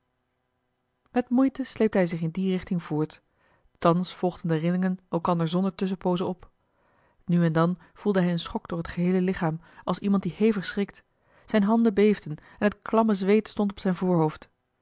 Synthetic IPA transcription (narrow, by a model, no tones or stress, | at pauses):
mɛtmujtəsleːp̚dəɦɛjzɪχɪndirɪχtɪŋvʊːɹt | tɑnsfɔlˠʁdəndərɪlɪŋənɛlˠkɑndəɹzɔndəɹtɵs̬əpowzəɔp | nyɛndɑn | v̥ulˠdəɦɛjənsχɔɡd̥ʊːɹɦətχəɦejləlɪχaːm | ʔɑlˠsimɑnt̚dihejvəχsrɪk̚t | z̥ɛjnɦɑndəbejvdən | ɛnɦətklɑməzʋejtstɔntɔpsɛjnvʊːɹɦowft